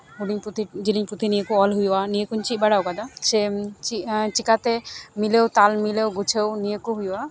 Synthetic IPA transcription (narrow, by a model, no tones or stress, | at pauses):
ɦuɽiɲput̪id͡ʒiliɲpɾut̪inijekuɔlɦujanijekuɲt͡ʃibaɽawkad̪aset͡ʃit͡ʃikat̪emilewt̪almilewɡut͡ʃʰewniekuɦuja